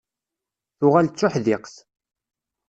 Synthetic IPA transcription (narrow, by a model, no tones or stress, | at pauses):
θʊʁalt͡sːʊħðɪqθ